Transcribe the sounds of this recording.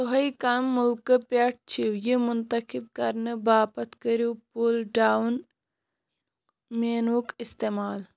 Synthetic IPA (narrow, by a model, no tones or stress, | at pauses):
oɦɐikaːmːulkəpaʈ̚t͡ʃʰiwjimunt̪ɐkib̚kɐɾnɨbaːpɐt̪kəɾupulɖaːn | meːnukist̪eːmaːl